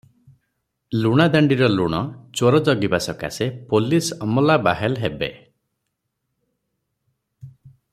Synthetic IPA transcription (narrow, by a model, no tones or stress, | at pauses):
luɽ̃ad̪aɳɖiɾɔluɽ̃ɔt͡ʃoɾɔd͡ʒɔɡibasɔka̰sepolisɔmɔlabaɦelɦebḛ